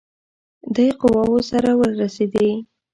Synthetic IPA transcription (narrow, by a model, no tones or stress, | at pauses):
d̪ajqʊwɑwosaɾawəɾased̪e